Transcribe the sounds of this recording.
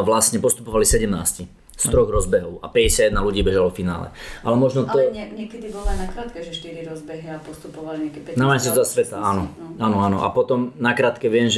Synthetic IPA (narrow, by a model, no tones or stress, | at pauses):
ʋlasɲɛpɔst̪upɔʋalisɛɟɛmna̰ːsci | st̪ɾɔɣɾɔzbɛɦɔʊa̰pɛɟɛsjadjɛd̪naluɟiːbɛʒalɔfina̰ːlɛ̰ʔalɛmɔʒnɔt̪ɔɲɛkɛd̪ibɔlanakɾaːt̪kɛʒɛʃt̪iɾiɾɔzbɛɦiapɔst̪upɔʋaliɲakɛpnamaɲs̬iasʋɛt̪aaːnɔaːnɔaːnɔ̰ʔa̰pɔt̪ɔmnakɾaːt̪kɛʋɪɛmʒ